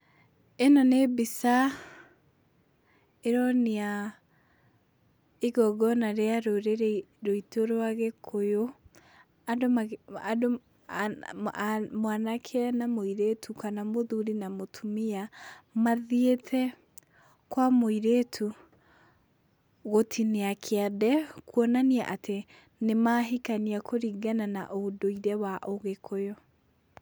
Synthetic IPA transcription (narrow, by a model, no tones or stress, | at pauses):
enɔnebisa | eɾɔnea | eɡɔɡɔnaɾeaɾoɾeɾɾoitoɾwaɣekʰojo | adomaado | mwanakʰeɛnamoiɾetʰukanamoðuɾinamotʰumiamaðietʰɛ | kwamoiɾetʰu | ɣotʰineakʰeadɛkuɔnania̰ʔatʰe | nemaɦikaniakʰoɾiɡanana̰ʔodoiɾɛwaʔoɣekʰojo